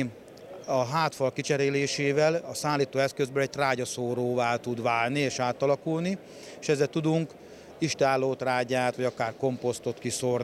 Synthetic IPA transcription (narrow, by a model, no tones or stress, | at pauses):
ɒɦaːt̪fɒlkit͡ʃɛɾeːleːʃeːvɛlɒsaːlːiːt̪oːɛskøzbøːlɛɟ̚t̪raːɟɒsoːɾoːvaːlt̪ud̪ʋaːlnieːʃaːt̪ɒlɒkulni | eːʃɛzːɛlt̪ud̪uŋk | iʃt̪aːlːoːt̪raːɟaːt̪ʋɒɟɒkaːrko̞mpo̞st̪o̞t̪kisorn